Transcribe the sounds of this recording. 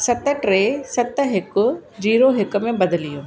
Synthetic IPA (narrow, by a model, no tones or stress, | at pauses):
sɐt̪̆ʈɾeːsɐt̪̆ɦɪkʊ̆d͡ʑiːɾoɦɪkʊ̆mẽbɐd̪ɪlijoː